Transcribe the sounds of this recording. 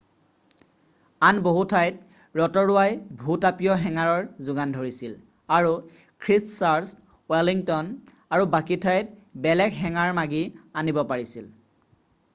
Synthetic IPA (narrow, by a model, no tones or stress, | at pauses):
anboɦutʰajt | ɹɔtɔɹʊwajbʱutapijɔɦɛŋaɹɔɹzʊɡandʱoɹisil | aɹu | kʰɹissaɹs | wɛliŋtɔn | aɹubakitʰajt̚bɛlɛɡɦɛŋaɹmaɡianibɔpaɹisil